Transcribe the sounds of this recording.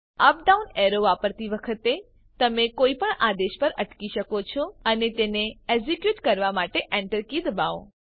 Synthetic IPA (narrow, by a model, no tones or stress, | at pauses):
əp̚ɖauneɾoʋapəɾt̪iʋəkʰət̪e | t̪əmekoipəɳad̪eʃpəɾəʈkiʃəkot͡ʃʰoənet̪eneed͡ʒikjuʈkəɾʋamaʈeʔɛɳʈəɾkid̪baõ